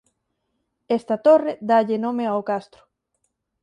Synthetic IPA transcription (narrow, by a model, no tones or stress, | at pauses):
est̪at̪ored̪aʎenõmeawkast̪ɾʊ̥